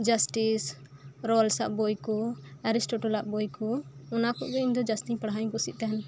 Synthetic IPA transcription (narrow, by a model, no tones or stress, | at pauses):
d͡ʒasʈisɾɔlsaʔbɔjkɔɛɾisʈɔʈɔlaʔbɔjkɔɔnakɔʔɡɔiɲd̪ɔd͡ʒasʈiɲpaɽɦaɲkɔsiʔ̚t̪aɦɛn